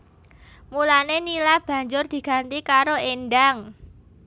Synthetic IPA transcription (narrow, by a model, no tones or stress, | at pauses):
mulanenilab̥ä̤ɲd͡ʒʊrd̪̥i̤ɡ̥a̤nt̪ikaɾoenɖaŋ